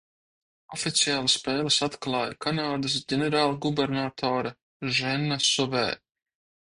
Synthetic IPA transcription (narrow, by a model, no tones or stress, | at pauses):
ɔfʲit̪sijaːlˠasːpʲɛːlɨsat̪klˠaːjkʰanaːd̪ɨs̬ɟʲɛnɛɾaːlˠɡubɛɾnaːt̪ʰɔːɾa | ʒɛnːasɔvɛ̰ː